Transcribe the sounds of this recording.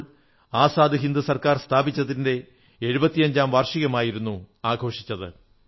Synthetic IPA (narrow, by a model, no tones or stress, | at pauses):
aːsaːd̪ʱiɦind̪usɐrkaːrst̪ʰaːbit͡ɕːɐðinde̞ | e̞ɻubɐt̪ːijɐɲd͡ʑaːmʋɐrʂiɣɐmaːjiɾunːuaːɡʱo̞ːʂit͡ɕːɐðɨ